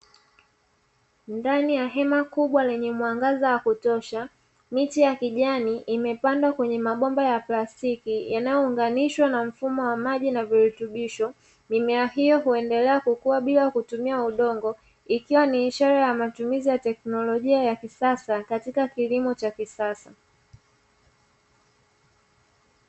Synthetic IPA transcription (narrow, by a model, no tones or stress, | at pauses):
ndanijaɦɛmakuɓwalɛɲɛmwaŋɡazawakutɔʃa | mitijakiʄaniʔːmɛpandwakwɛɲɛmaɓɔmbajaplastikijanajɔuŋɡaniʃwanam̩fumɔwamaʄinaviɾutuɓiʃɔ | mimɛahijɔɦuɛndɛlɛakukuwaɓilaakutumiauɗɔŋɡɔ | ikiwaniːʃaɾajamatumizijatɛknɔlɔʄiajakisasakatikakilimɔt͡ʃakisasa